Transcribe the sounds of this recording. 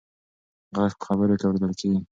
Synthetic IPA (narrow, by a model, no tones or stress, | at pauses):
ɣaʂpə̥xaβəɾokawɾed̪əlkeɡi